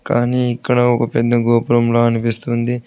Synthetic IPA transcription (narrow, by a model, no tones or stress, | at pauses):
kaːniːikːɐɽɐɔkɐpɛd̪ːɐɡoːpuɾɐmlo̞ːɐnipist̪und̪i